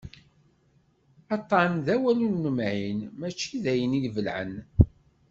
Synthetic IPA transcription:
ɑt̪ˤːɑnðæwælunːəmʕinmæt͡ʃːiðæjənilvəlʕə̰n

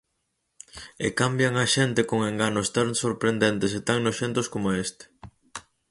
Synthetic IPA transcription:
ḛkambjaŋaʃent̪ɪkoŋeŋɡanʊst̪aŋsoɾpɾend̪ent̪es̬et̪aŋnosʃent̪oskomoest̪e̥

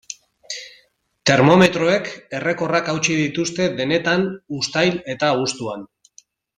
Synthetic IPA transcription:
t̪e̞ɾmo̞me̞t̪ɾo̞e̞ke̞re̞ko̞rakawt͡ʃiðit̪ust̪e̞ðe̞ne̞t̪anust̪ajle̞t̪aust̪uan

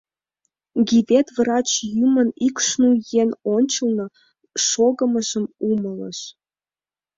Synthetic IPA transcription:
ɡʲiβet̪vrɑt͡ɕjymə̆nikʃnujenonʲt͡ɕə̆lnɤ̆ | ʃoɣə̆mə̆ʒə̆mumələ̰ʃ

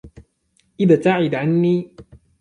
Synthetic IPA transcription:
ʔɪðat̪aʕɪd̪ʕanːiː

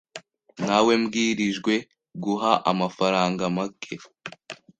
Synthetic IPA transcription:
nawe̞mɡiːɾiʒɡwe̞ | ɡuɦaʔa̰mafaɾaːŋɡamakʰe

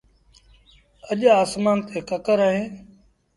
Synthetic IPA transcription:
əʄaːsmaːnt̪eːkəkəɾaːɦẽː

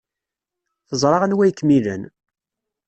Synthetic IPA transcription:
θəzˤɾˤɑʁənwæjəkːmilə̰n

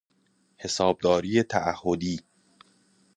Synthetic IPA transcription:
he̞sɒːb̚d̪ɒːɾiːjet̪ʰæʔæhːod̪iː

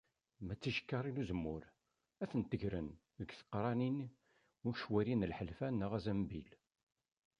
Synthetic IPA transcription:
mæt͡sːiʃə̥kːɑɾˤiluzəmːʊɾ | æθənt̪əʝɾən | ðəɡθə̥qːɾˤɑnin | ʊɾʃwæɾinəlħəlfænːəʁæzæmbil

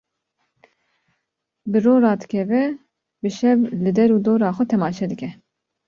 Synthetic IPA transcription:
bɨroːɾɑːd̪ɨkʰɛvɛ | bɨʃɛvlɨd̪ɛɾuːd̪oːɾɑːxʷɛt̪ʰɛmɑːʃɛd̪ɨkɛ

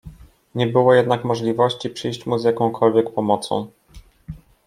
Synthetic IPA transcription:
ɲɛbɘwɔjɛd̪nakmɔʐlʲivɔɕt͡ɕipʂɘjɕt͡ɕmuzʲjakɔ̃w̃kʰɔlvʲjɛkpɔmɔt̪sɔ̰̃w̃

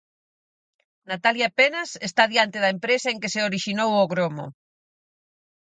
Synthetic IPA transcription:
nat̪aljapenasest̪aðjant̪eðɐempɾesaeŋkeseoɾiʃinowoɣɾomo̰

